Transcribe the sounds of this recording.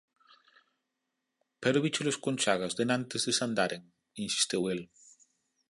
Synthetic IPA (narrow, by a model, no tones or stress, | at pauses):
pɛɾoβit͡ʃeloskonʲt͡ʃaɣazðenãnt̪ezðesand̪aɾeŋ | insi̥st̪ewel